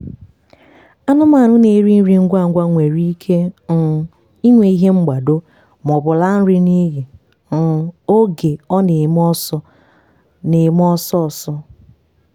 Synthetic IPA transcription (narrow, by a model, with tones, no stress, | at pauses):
a˦nʊ˦ma˨ɾʊ˦ne˨˦ɾi˦n̩˦ɾi˨ŋ̩˦ɡʷa˦˨ŋ̩˦ɡʷa˦ŋʷe˨ɾi˦kʰe˦n̩˨ | i˦ŋʷe˨i˦ɦe˦ŋ͡m̩˦ɡ͡ba˨do˦ | m˨ɔ˨bʊ˨la˦n̩˦ɾɪ˦ni˦ɣi˨ | n̩˨o˦ɡe˨ɔ˦ne˨mɔ˦sɔ˦ | ne˨m˦ɔ˦sɔ˦˨sɔ˦